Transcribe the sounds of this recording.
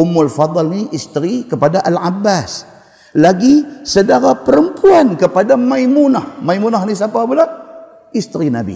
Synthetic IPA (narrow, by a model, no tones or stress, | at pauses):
ʊmʊlfɑd̪ˤɑlniʔist̪əɾikəpadaʔalʕabːas | laɡisədaɾapəɾəmpuankəpadamaimunahmajmunahnis̬apabəla | ist̪ɾinabḭ